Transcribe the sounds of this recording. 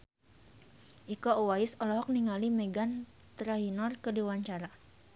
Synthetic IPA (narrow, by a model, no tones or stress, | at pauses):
ʔikouwaɪsɔlɔɦɔk̚niŋalimeɡan | t̪ɾaɦinɔrkədewaɲt͡ʃaɾa